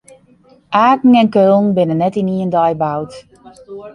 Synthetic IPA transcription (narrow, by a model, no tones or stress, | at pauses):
ʔaːkŋ̩ɛnkøːlˠn̩bɪnənːɛtiniəndɔjbawt